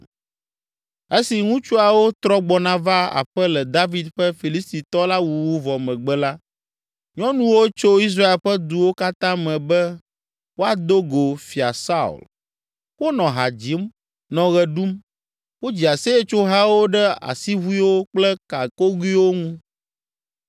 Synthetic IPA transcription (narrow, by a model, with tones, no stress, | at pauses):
e˦si˨ŋũ˦t͡ʃu˦a˨wo˦t̪ɾɔ˦ɡ͡bɔ˨nã˦va˦a̰˨ɸɛ˦lɛ˨d̪a˦vi˨d̪ɸɛ˦fi˨li˦st̪i˨t̪ɔ˦la˦wu˨wu˦vɔ˨mɛ̃˨ɡ͡bɛ˦la˦ | ɲɔ̃˦nũ˦wo˦t͡ʃo˦i˦s̬ɾa˦e˨lɸɛ˦d̪u˨wo˦ka˦t̪ã˦mɛ̃˨bɛ˦ | wo˦a˨d̪o˦ɡo˨fi˨a˨sa˦ṵ˨l | wo˦nɔ̃˨ɦa˨d͡ʑi˨˦m | nɔ̃˨ɣɛ˨ɖu˦m | wo˦d͡ʑi˨a˨se˦ɛ˦t͡ʃo˦ɦa˦wo˦ɖɛ˦a̰˨si˦βu˦i˦wo˦k͡plɛ˦ka˨ko˦ɡi˦wo˦ŋũ˦